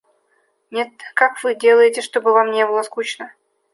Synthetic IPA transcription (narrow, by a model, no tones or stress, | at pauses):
nʲe̞t̪̚kakvɨdʲe̞lˠəjɪtʲɪʂt̪obɨvamnʲebɨlˠəskut͡ɕnə